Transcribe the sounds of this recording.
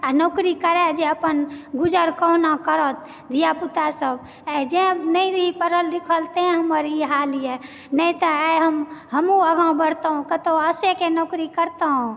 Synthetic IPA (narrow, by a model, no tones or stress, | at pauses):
anokɾikəɾɛd͡ʒeəpənɡud͡ʒəɾkənakəɾət̪̚ | d̪ʱijaput̪asəb | ɛd͡ʒẽnəjɾəɦipəɾəldikʰəlt̪ẽɦəməɾiɦalije | nəjt̪əajɦəmɦəmuəɡãbəɽt̪əɦũkət̪oəsekenɔkɾikəɾt̪əɦũ